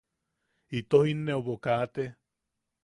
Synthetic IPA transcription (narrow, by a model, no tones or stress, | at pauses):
it̪ohinːeoβokaːt̪e